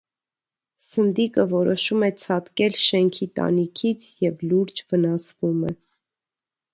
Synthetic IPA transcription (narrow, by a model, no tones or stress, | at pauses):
sənd̪ikəvɔɾɔʃumɛt͡sʰɑt̪kɛlʃɛŋkʰit̪ɑ̰nikʰit͡sʰjɛvluɾd͡ʒvənɑsvumɛ